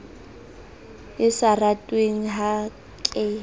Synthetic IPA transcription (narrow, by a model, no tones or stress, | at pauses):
ɪsaratʼweŋ̩ɦa | kʼɪ